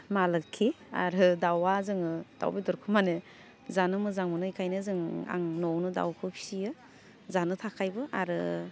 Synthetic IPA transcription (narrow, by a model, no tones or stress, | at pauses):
malɯkʰːi | a̰ɾɯdawazɯŋɯd̥a̰wbidɔɾkʰɯmane | zanɯmɯzaŋmɯnɯjkʰajnɯzɯŋa̰ŋnɔwnɯda̰wkʰɯpʰi̥sijɯ | zanɯtʰakʰajbɯʔaɾɯ